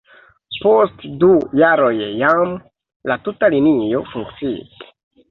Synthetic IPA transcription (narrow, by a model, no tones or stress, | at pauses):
po̞stdujaɾo̞jjam | latutalinio̞̰fuŋkt͡siḭs